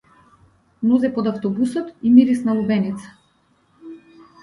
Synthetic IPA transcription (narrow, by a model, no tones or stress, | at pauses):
nuzɛpɔd̪aft̪ɔbusɔt̪imiɾisnalˠubɛnit̪sḁ